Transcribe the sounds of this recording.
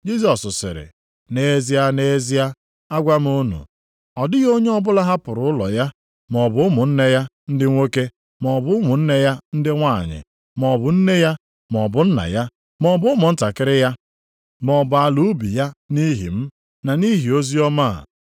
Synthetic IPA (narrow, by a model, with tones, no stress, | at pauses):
d͡ʒi˦s̬ɔ˨sʊ˨sɪ̰˨ɾɪ̰˨ | ne˦zi˦a˦ne˦zi˦a˦ | a˦ɡʷa˦m̩˦o˦nṵ˨ | ɔ˨dɪ˦ɣo˦ɲe˦ɔ˦bʊ˦la˦ɦa˦pʊ˨ɾʊ˨˦ʊ˦lɔ̰˨ja˦ | mɔ˨bʊ˨˦ʊ˦mʊ˨n̩˦ne˦ja˦ | n̩˦dɪ˦ŋʷe˦ke˦ | mɔ˨bʊ˦mʊ˨n̩˦ne˦ja˦n̩˦dɪ˦ŋʷa̰˦˨ɲɪ̰˨ | mɔ˨bʊ˨n̩˦ne˦ja˦ | m˨ɔ˨bʊ˨˦n̩˦na̰˨ja˦ | mɔ˨bʊ˦ʊ˦mʊ˨n̩˦ta˨kɪ˦ɾɪ˦ja˦ | mɔ˨bʊ˨a˨lu˦bi˨ja˦ni˦ɦḭ˨m̩˦ | na˨ni˦ɦi˨o˦zi˦ɔ˦ma˦˨